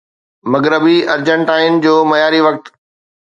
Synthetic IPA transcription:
mɐɡɾəbiɐɾd͡ʑə̃ɳʈaːɪn̆d͡ʑoːmɐjaːɾiʋɐk̚t̪

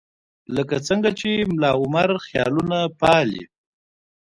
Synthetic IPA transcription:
ləkat͡səŋɡat͡ʃemlɑʊmaɾxjɑ̰lunapɑlḭ

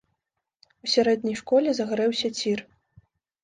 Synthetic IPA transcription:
usʲaɾɛd̪ʲnʲɐjʂkɔlʲɛzɐɣɾɛwsʲɐt͡sʲir

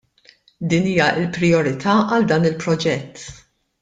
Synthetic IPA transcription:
d̪iːniːjɐʔɪlpɾɪɔɾɪt̪ʰɐːʔɐld̪ɐːnɪlpɾɔd͡ʒɛt̪ː

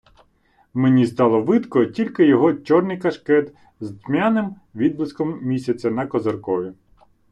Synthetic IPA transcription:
menʲist̪ɑlˠɔʋɪd̪kɔtʲilʲkɪjɔɦɔt͡ʃʲɔrnɪjkɐʃkɛt̪ | zd̪mʲanɪm | ʋʲid̪blˠɪskɔmmʲisʲɐt͡sʲɐnɐkɔzɐrkɔjʲi

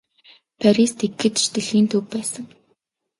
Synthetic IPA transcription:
pʰæɾist̪eɡːɘ̆t̪ʃt̪ɘ̆ɮiːnt̪ʰɵwpæːsə̆ŋ

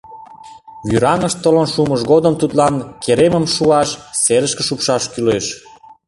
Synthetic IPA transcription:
βyɾɑŋəʃt̪ːolonʃuməʃɣod̪əmt̪ut̪lɑnkeɾeməmʃuɑʃseɾəʃkə̆ʃupʃɑʃkyleʃ

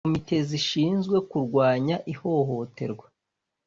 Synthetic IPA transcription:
mite̞ziʃiːnzɡwe̞kuɾɡwaːɲaʔiho̞ɦo̞te̞̰ɾɡwa

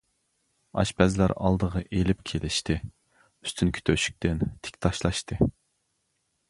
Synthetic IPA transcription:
ɑ̰ʃpɛzlæ̰ɾɑ̰lˠd̪əʁɑʔelɪpkʲʰelɪʃt̪ɪ | y̥st̪ʰynkʲʰy̥t̪ʰøʃy̥k̚ʲt̪ɪnt̪ʰe̥kʲt̪ʰɑʃlˠɑʃt̪ɨ

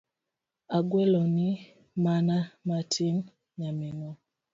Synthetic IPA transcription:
aɡwɛlɔni | manamatʰin | ɲaminɔ

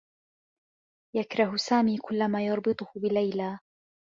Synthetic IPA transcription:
jakɾˤɑhʊsaːmiːkʊlːamaːjɑɾˤbɨt̪ˤʊhʊbɪlajlaː

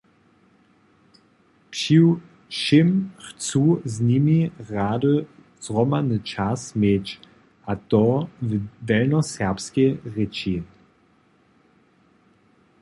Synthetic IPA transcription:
pʃiw | ʃimxt͡suznimiʁaːdə | z̥ʁɔmanət͡ʃasmeːt͡ɕ | ʔat̪ɔvdɛlnɔsɛʁpskeʁet͡ʃi

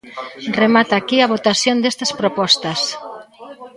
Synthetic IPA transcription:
remat̪aːkiaβ̞ot̪asjond̪est̪ɐspɾopɔst̪ɐs

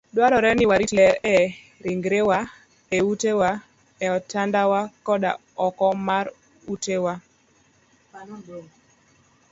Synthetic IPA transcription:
dwaɾɔɾɛnɪwaɾitlɛɾɛ | ɾiŋɡɾewa | eutewa | ɛɔtandawakɔɗa̰ | ɔkɔmaɾ | utewa

